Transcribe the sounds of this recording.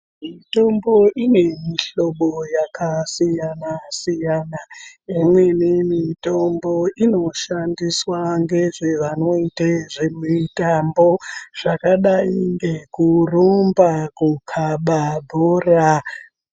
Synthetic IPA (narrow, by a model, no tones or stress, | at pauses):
mito̞mbo̞ʔine̞miɬo̞ɓojakʰasijanasijanaemwe̞nimito̞mbo̞ino̞ʃandiswaŋɡe̞ʐeʋano̞iteʐemitambo̞ʐ̥akaɗaiŋɡekurombakukʰaɓabʱoːra